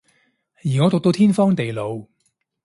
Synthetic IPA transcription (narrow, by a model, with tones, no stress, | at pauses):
jiː˨˩ŋɔː˨˧t̪o˨k̚t̪o˧wt̪ʰiː˥nfɔː˥ŋt̪e˨jlo˨˧w